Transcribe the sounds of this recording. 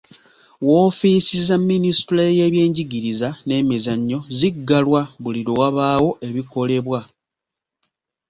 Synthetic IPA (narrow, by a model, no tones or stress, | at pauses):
wo̞ːfisizamːinistuɾaje̞βje̞ːɲɟiɡiɾizane̞mizaɲːo̞ziɡːalwaβuliɾowaβaːwo̞ʔe̞βiko̞le̞βwa